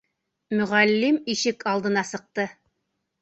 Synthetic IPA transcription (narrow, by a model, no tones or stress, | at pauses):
mɵ̆ʁælːimiʃɘkɑlˠd̪ɤ̆nɑsɤ̆q̚t̪ɤ